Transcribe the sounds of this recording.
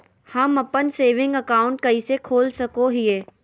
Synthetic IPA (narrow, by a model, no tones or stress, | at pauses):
hɐmɐpənseːʋɪ̃ŋɡɐkaːʊ̃ɳʈ̚kɐisekʰoːlsɐkoɦɪeː